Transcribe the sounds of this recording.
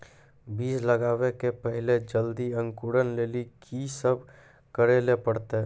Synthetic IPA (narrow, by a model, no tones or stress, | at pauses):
biːsləɡaːwekepəɦɪled͡ʒəld̪iə̃ŋkuɽənleːlikʰisəbʱ | kəɾelepəɽt̪e